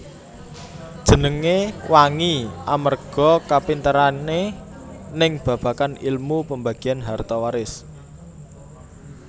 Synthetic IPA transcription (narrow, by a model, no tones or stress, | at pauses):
d̥ʒ̥ə̤nəŋewaŋiʔamərɡ̥ɔ̤kapint̪əɾane | nɪŋb̥ä̤b̥ä̤kanilmupəmbaɡ̥i̤janɦart̪ɔwaɾɪs